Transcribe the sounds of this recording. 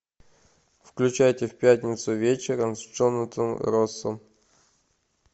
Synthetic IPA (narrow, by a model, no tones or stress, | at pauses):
fklʲʉt͡ɕæjtʲɪfpʲæt̪ʲnʲɪt̪sʊvʲet͡ɕɪɾəmst͡ʂonət̪ɨmɾosəm